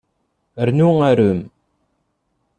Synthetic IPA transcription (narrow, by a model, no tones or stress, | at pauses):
ərnuŋaɾum